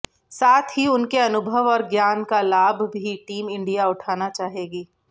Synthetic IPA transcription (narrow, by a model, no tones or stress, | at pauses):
saːt̪ʰɦiʊnkeɐnʊbʱəʋɔːɾɡjaːnkalaːbʱbʱiʈiːmɪ̃ɳɖijaʊʈʰaːnat͡ʃaːɦeːɡiː